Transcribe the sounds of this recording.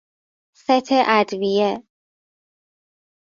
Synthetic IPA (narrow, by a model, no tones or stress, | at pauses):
set̪ʰeʔæd̪vije